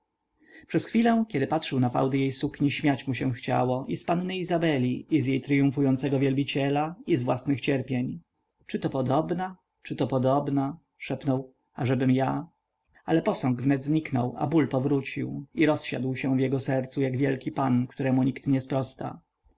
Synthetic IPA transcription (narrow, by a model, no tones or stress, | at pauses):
pʂɛsxfʲilɛ̃kʲɛd̪ɘpatʂɘwnafa̰wd̪ɘjejsukɲiɕmʲjat͡ɕmuɕɛw̃xt͡ɕa̰wɔʔispanːɘizabɛlʲiizjejt̪ɾɘjũfujɔnt̪sɛɡɔvʲjɛlbʲit͡ɕɛlaizvwasnɘxt͡ɕɛɾpʲjeɲ | t͡ʂɘt̪ɔpɔd̪ɔbna | t͡ʂɘt̪ɔpɔd̪ɔbna | ʂɛpnɔw | aʐɛbɘmja | alɛpɔsɔŋɡvnɛd̪zɲiknɔwa̰bulpɔvɾut͡ɕḭwiɾɔsɕa̰d̪wɕɛ̃vjɛɡɔsɛɾt̪sujaɡvʲjɛlkʲipankt̪uɾɛmuɲikt̪ɲɛspɾɔst̪a̰